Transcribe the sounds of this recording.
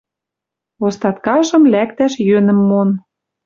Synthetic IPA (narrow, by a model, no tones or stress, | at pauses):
ost̪ɑt̪kɑʒɤ̆mlækt̪æʃjønə̆mːon